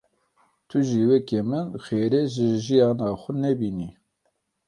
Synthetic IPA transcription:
t̪ʰʊʒiwɛkemɨnxeːɾeʒɨʒijɑːnɑːxʷʊnɛbiːni

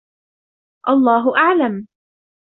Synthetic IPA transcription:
ʔɑlˤːɑːɦʊʔaʕlam

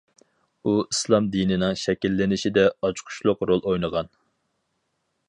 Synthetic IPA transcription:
uislˠɑmd̪inɪnɪŋʃɛkʲilːɪnɪʃid̪ɛɑt͡ʃʰqʰʊ̥ʃlˠʊqɾolˠojnəʁɑn

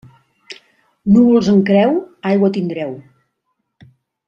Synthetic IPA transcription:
nuβulˠzəŋkɾɛwajɣwət̪ind̪ɾɛw

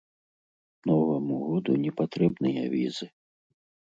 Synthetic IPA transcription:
nɔvɐmuɣɔd̪ṵnʲɛpat̪ɾɛbnɨjɐ̰vʲizɨ

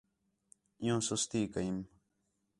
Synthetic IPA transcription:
jõːsʊst̪iːkaim

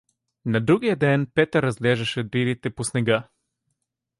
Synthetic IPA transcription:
nɐd̪ɾuɡijəd̪ɛnpɛt̪əɾːɐzlɛʒɛʃɛb̪ɾiɾit̪ɛposnɛɡa

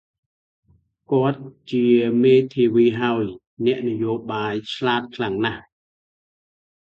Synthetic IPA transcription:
kŏət̪̚t͡ɕiəmeːt̪ʰiːʋiːɦaəj | nɛ̆əʔnɨjoːɓaːjt͡ɕʰlaːt̪̚kʰlaŋnah

